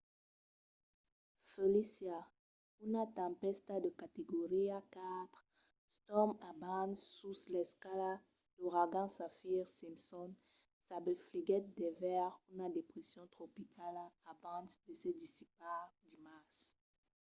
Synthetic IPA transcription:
felisja | unat̪ɑ̃pɛst̪ad̪əkat̪eɡoʁiakat̪χ | st̪ɔmabãnsːuslɛskala | d̪̥oʁaɡɑ̃safiʁsimsɔn | sabefliɡɛt̪̚d̪ɛvɛʁunad̪epχesjɔ̃t̪χopikʰalabɑ̃sd̪əsɛd̪isipaʁd̪imas

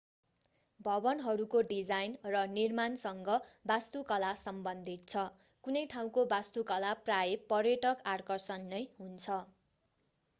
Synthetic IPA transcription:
bʱʌbʌnɦʌɾukoɖid͡zajnrʌnirmansʌŋɡʌbast̪ukʌlasʌmbʌnd̪ʱit̪̚t͡sʰʌ | kunʌjʈʰaw̃kobast̪ukʌlaprajepʌrjeʈʌkarkʌrsʌnːʌjɦunt͡sʰʌ

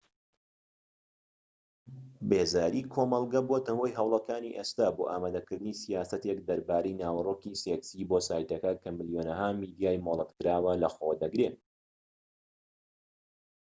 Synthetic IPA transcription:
beːzaːɾikʰoːmɑlˠɡɐbot̪ɐwojɦɐwlˠɐkaːniʔest̪aːboːʔaːmaːd̪ɐkɨɾd̪ɨnisijaːsɐt̪ekd̪ɐɾbaːɾejnaːwɐroːkiseksiːbosaːjt̪ɐkɐkʰɐmɨljoːnɐɦamiːd̪ijaːjmoːlˠət̪kɨɾaːwɐlɐxoːd̪ɐɡɾen

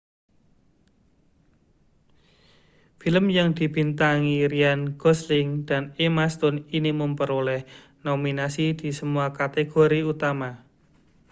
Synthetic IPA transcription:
filəmjaŋd̪̥i̤bint̪aŋiɾianɡ̥ɔslɪŋd̪̥a̤nemast̪ʊniniməmpəɾulɛh | nominasid̪̥i̤səmuakat̪eɡ̥oɾiut̪ama

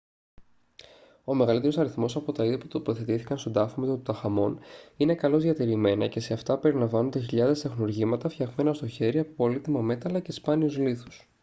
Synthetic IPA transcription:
o̞me̞ɣɐlit̪eɾo̞sɐɾiθmo̞sɐpo̞t̪ɐiðɐput̪o̞po̞θe̞t̪iθi̥kɐnst̪od̪ɐfomet̪ɐt̪ut̪ɐxɐmo̞nine̞kɐlo̞zðiɐt̪eɾime̞nɐce̞se̞ɐft̪ɐpe̞ɾilɐɱvɐnond̪eçiʎɐðe̞st̪exnuɾʝimɐt̪ɐfçɐɣme̞nɐst̪o̞çe̞ɾiɐpopolit̪imɐme̞t̪ɐlɐce̞spɐniuzliθu̥s

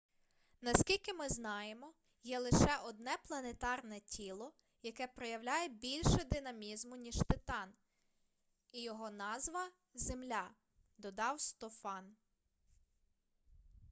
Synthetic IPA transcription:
nɐskʲilʲkɪmɪznɑjemɔ | jɛlˠɪʃɛʔɔd̪̚nɛplˠɐnet̪ɑrnɛtʲʰilˠɔ | jɐkɛpɾɔjɐwlʲajɛbʲilʲʃɛd̪ɪnɐmʲizmʊnʲiʒ̥t̪ɪt̪ɑn | ijɔɦɔnɑzʋɐ | zemlʲa | d̪ɔd̪ɑwst̪ɔfɑn

